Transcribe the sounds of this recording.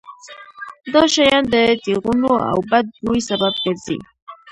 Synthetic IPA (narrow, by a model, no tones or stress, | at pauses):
d̪ɑʃajɑnd̪ət̪iɣunoa̰wbad̪̚ɡujsabab̚ɡəɾzḭ